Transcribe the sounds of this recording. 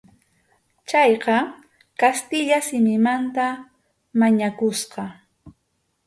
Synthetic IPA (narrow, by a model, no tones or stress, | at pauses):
t͡ʃɑjqɑ | kast̪ɪʎasɪmɪmant̪a | maɲakʊsqɑ